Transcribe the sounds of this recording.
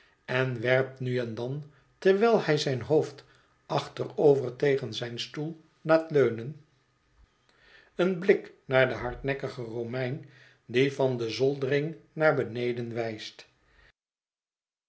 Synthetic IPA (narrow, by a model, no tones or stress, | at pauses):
ɛnʋɛɹp̚tnyɛndɑn | tɛɹʋɛlˠɛjzɛjnɦowft | ɑχtərowvəɹtejχənzɛjnstulˠ | laːtløɥnən | ənblɪknaːɹdəɦɑɹtnɛkəχəromɛjn | divɑndəzɔlˠdərɪŋnaːɹbənejdənʋɛjst